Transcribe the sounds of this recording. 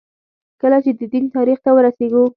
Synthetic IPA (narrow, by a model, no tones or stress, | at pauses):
kəlat͡ʃed̪əd̪int̪ɑɾixt̪awəɾaseɡu